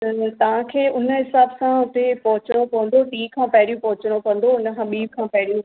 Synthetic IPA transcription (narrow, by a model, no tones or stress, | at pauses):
t̪ɐt̪ɐʋ̤ãkʰeːʊnə̆ɦɪsaːbsãʊt̪epɐɦʊt͡ɕəɽ̃okɐʋə̃n̆d̪oʈiːkʰãːpɐɦɪɽijũpɐɦʊt͡ɕəɽ̃okɐ̃n̆d̪oʊnə̆ɦʰãɓiːb̚kʰãːpɐɦɪɽijũ